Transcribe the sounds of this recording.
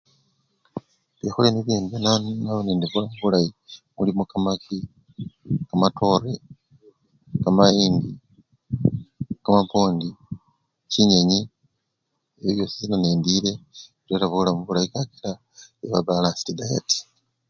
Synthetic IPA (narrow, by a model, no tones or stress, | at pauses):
βexuleniβinduβjenannaβonendivulamuβulajimulimokamaki | kamatʰo̞re | kamajiːndi | kamapo̞ːndi | ciɲeɲi | eβiβjo̞ːsizinoneːndiɾe̞ | tweɾaβulamuβulajikakila | eβabalaːnsi̥tidaja̰ti̥